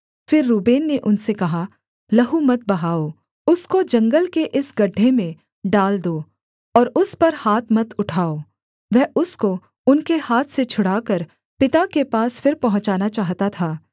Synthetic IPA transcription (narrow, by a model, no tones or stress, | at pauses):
fɪɾːuːbeːnːeʔʊnsekɐɦa | lɐɦumɐt̪̚bɐɦaːo | ʊskod͡ʒɐ̃ŋɡəlkeʔɪsɡɐɖʱːemẽ | ɖaːld̪oː | ɔːɾʊspɐɾhaːt̪ʰmɐt̪ʊʈʰaːoː | ʋɛɦʔʊsko | ʊnkehaːt̪ʰset͡ʃʰʊɽaːkɐɾ | pɪt̪akepaːsfɪɾpɐɦʊ̃ɲt͡ʃaːnat͡ʃaːɦt̪at̪ʰaː